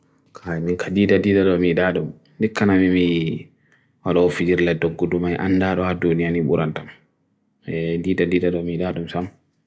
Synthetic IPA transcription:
kʰajmiŋkʰadiːdadiːdaɗɔmiɗaːɗum | dikːanamimi | walaɔfid͡ʒiɾlɛdɔɡːudumajʔa̰nːdaɗɔhadunijaniɓuɾʔantam | ɛdiːdadiːdaɗɔmiɗaɗumsam

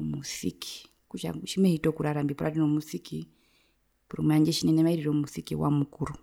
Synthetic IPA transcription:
musḭkʰi̥ | kuʃa̰ʃimɛhitɔkuɾaɾambipɾadinɔmusiki | puɾṵmɛaɲd͡ʒɛʃinɛnɛmaiɾiɾɔmusikḭwa̰mukuɾu

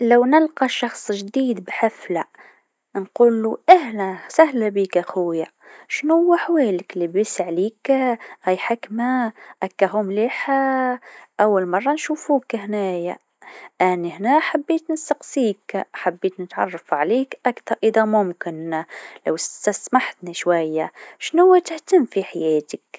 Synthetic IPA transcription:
lawnɪlqɑʃɑxsˤʒd̪iːd̪bħafla | nquːlːuʔahlæsæhlabiːkaxʊwjaʃnhʊwːaħweːlɪklibisʕliːkʔæjħɪkmaʔækːaɦʊmliːħa | ʔawːalmɑrˤːɑnʃuːfuːkɦnæːja̰ | ʔænːihnæħabːiːt̪nɪsɑqsiːkħabːiːt̪nɪt̪ʕɑ̰rˤːɑfʕaliːkʔakθɑɾˤʔɪd̪æmʊmkɪnlawsasmaħt̪niʃwajːaʃnʊwːat̪ɪht̪amːfiħajɛːt̪ɪk

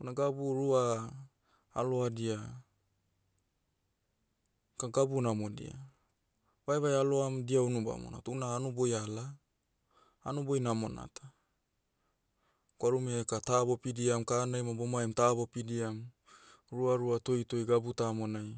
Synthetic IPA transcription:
unaɡabuɾua | lo̞adia | kaɡabunamodḭa̰ | vaeβajaloamdiawnuba̰mo̰na̰tunaːnubo̞jala | nubojnamo̞na̰tḁ | koaɾumekatabo̞pidiamkanajmabomaemtabo̞pidiam | ɾuaɾuato̞jto̞jɡabutamonaj

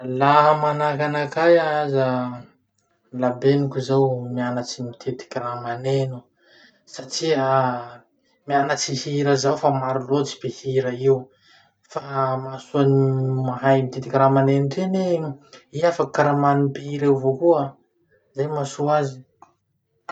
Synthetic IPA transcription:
laɦəmanakanakajaaza | labenikʲuzawmianat͡simit̪ʰet̪i̥kʲiɾamanenu | saʈ͡ʂia | mianat͡sihiɾəzawfamaɾilot͡si̥behiɾəiw | famasuanimaɦajmit̪et̪ikʲiɾamanenuʈ͡ʂeneiafakaɾamanupiiɾewvokua | zajmasuazi̥

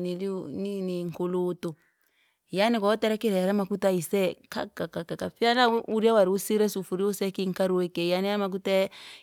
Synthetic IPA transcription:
nilniniŋkolotɔ | janikaɔtɛɾakiɾɛɾamakutaisɛkakakakakafialauɾiawaɾiusiɾɛsufuɾiusɛkiŋkaɾuɛkɛjaniamak̬uta

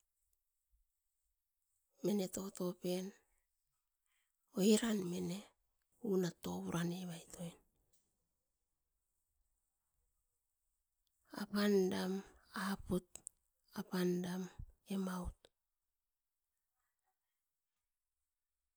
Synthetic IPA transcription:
me̞ne̞to̞to̞pe̞n | o̞iɾanme̞ne̞ | unato̞βuɾʔaneβajtʰo̞jn | a̰pandamaput | apandamemaut̚

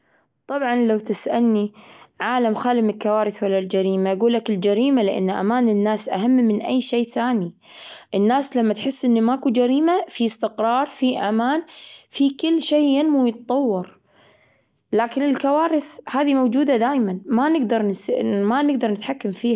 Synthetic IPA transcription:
t̪ˤɑbʕɑnlawt̪ɪsʔalniʕaːlamxaːlɪmɪlkawaːɾɪθwalːald͡ʒaɾiːmaʔɡuːlːakɪld͡ʒaɾiːmalɪʔa̰nːʔa̰maːnɪnːaːsʔa̰hamːmɪnʔajːʃeːθaːni | ʔɪnːaːslamːat̪ħɪsːʔɪnːimakud͡ʒaɾiːmafiɪst̪ɪqɾɑːɾˤfiʔamaːnfikɪlːʃeːjɪnmujɨt̪t̪ˤɑwːɑɾ | laːkɪnɪlkawaːɾɪθhaːðimowd͡ʒuːd̪ad̪aːjmanmanɪɡd̪ɑɾˤnsmanɪɡ̚d̪ɑɾˤnɪt̪ħakːamfiːha

